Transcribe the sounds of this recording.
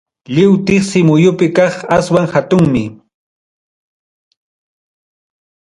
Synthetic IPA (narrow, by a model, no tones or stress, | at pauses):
ʎɪwt̪ɪχsɪmʊjʊpɪkɑχaswaŋhat̪ʊŋmɪ